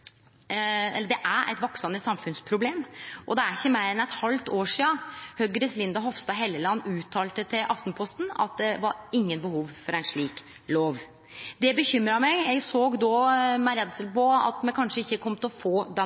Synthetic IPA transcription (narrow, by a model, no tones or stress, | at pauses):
ɛ̰lːəɖɛʔæɾʔæ̰ɪt̪ʋɔksəməsɑmfʉnspʰɾʊbleːmʔɔd̪ɛæɾɪçːəmeɪɾɛnɛt̪hɑlt̪oːʂiːɑhœɡəɾəslɪnd̪ɑɦɔʋst̪ɑɦɛlːəlɑnːʉːt̪ʰːɑːlt̪ət̪ʰɪlʔɑft̪n̩pʰɔst̪n̩ɑ̰t̪̚d̪ɛʋɑɾɪŋːənbəhuːʋfɔɾæɪnʂɭiːk | loːʋ | d̪ɛbəçʏmɾɑmɛɪjɛɡsoːɡd̪ɔmæɪɾɛd̪ət̪ɪlpɔɑ̰t̪mɛkʰɑnʂəɪçːəkʰɔmt̪ɔfoːd̪ɛ